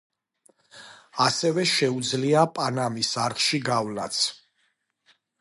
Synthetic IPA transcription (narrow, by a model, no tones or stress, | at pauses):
asɛvɛʃɛud̪zliapʼanamisaɾʁʃiɡavla̰t̪sʰ